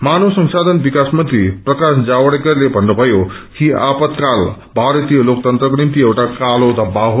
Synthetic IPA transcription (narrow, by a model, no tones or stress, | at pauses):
manosʌŋsad̪ʱʌnbikasmʌnt̪ɾiprʌkasd͡zawʌɽekʌrlebʱʌnːubʱʌjo | kiapʌt̪kal | bʱaɾʌt̪ijʌlok̚t̪ʌnt̪rʌknimt̪iewʈakalod̪ʌbaɦo